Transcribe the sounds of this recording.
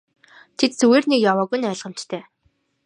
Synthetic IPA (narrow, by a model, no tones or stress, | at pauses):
t̪ʰet̪t͡suweːrnikjawɔːɣujnæːɮʁə̆m̥t͡ɕt̪ʰeː